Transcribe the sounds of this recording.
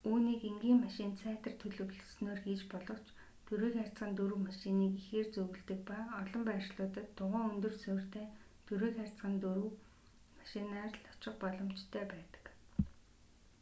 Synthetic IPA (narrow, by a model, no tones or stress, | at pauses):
uːniːkeŋɡʲiːŋmaʃɪ̆nt͡sʰæːt̪ə̆rt̪ʰɵɮɵ̆wɮɵ̆snoːrxiːt͡ɕpɔɮɞ̆w̥t͡ɕ | t̪ɵɾeːxærʲt͡sɢə̆nt̪ɵɾŭwmaʃɪniːkixeːrt͡sɵɣɵ̆ɮt̪ɘ̆k̚paːɔɮɞ̆mpæːrʃɮʊːt̪ə̆t̪ʰːʊʁæːŋɵnt̪ɵ̆rsɵ̆r̥t̪ʰeː | t̪ʰɵɾeːxærʲt͡sɢə̆nt̪ɾw | maʃɪnaːrɮɔ̥t͡ɕɪ̆qpɔɮɞ̆m̥t͡ɕt̪ʰːæːpæːt̪ə̥̆k